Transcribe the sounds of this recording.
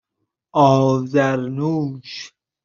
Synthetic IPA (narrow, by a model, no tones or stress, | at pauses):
ʔɔːzæɾnuːʃ